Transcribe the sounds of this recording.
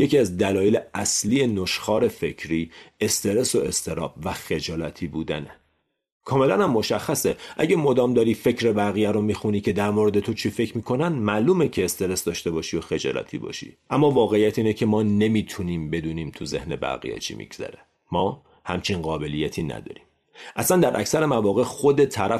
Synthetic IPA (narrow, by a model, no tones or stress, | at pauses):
je̞cʰiːæzd̪ælɒːjeleʔæsliːje̞noʃxɒːɾe̞fe̞cʰɾiːe̞st̪ʰe̞ɾe̞so̞e̞st̪ʰe̞ɾɒ̰ːb̥væxe̞d͡ʒɒːlæt̪ʰiːbuːd̪æ̰ne | kʰɒːme̞lænhæmːo̞ʃæxːæseʔæ̰ɟæmod̪ɒːmd̪ɒːɾiːfe̞cʰɾe̞bæɣijæɾo̞miːxuniːcʰe̞d̪æɾmoɾed̪e̞t̪ʰo̞t͡ʃʰife̞cʰmiːkʰo̞nænmæʔluːmecʰeːst̪e̞ɾe̞sd̪ɒːʃt̪e̞bɒːʃijoxe̞d͡ʒɒ̰ːlæ̰t̪ʰḭːbɒ̰ʃḭʔæmːɒːvɒːɣeijæt̪ʰiːnecʰe̞mɒːne̞miːt̪ʰuniːmbe̞d̪uːniːmt̪ʰuze̞hne̞bæ̰ɣḭjæ̰t͡ʃʰḭːmḭɡz̥æ̰ɾe | mɒː | hæmt͡ʃʰinɢɒːbe̞lijæt̪ʰiːnæ̰d̪ɒ̰ːɾiːm | ʔæsænd̪æɾʔæ̰csæɾemævɒːɣe̞xo̞d̪e̞t̪ʰæɾæ